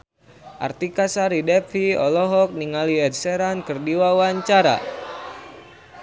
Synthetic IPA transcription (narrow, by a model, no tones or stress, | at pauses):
ʔa̰rt̪ikasaɾidɛpiɔ̰lɔɦɔk̚niŋaliɛd̪sɛɾankɨrdiwawaɲt͡ʃaɾa̰